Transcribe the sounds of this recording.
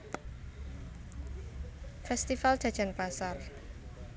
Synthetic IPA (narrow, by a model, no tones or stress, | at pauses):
fɛst̪ifal̥ʒ̥ä̤d̥ʒ̥a̤npasar